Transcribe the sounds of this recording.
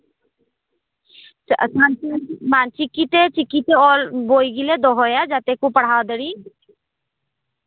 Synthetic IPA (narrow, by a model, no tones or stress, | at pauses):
ə̰sʰant͡ʃimaːnt͡ʃikːit̪et͡ʃɪkːit̪eɔːlboːiɡiled̪oɦojad͡ʒat̪ekupəɽ̤aːd̪əɽiː